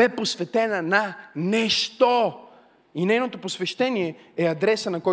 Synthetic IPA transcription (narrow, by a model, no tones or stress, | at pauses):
ɛposvɛt̪ɛnɐnanɛʃt̪o | inɛjnot̪oposvɛʃt̪ɛniɛɛɐd̪ɾɛsənɐkɔj